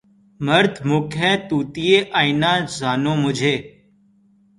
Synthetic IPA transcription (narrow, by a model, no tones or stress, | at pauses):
məɾt̪ʰmoːkʰɛ̃ːt̪uːt̪iːeːʔaːinãːzaːnõːmʊd͡ʒʱeː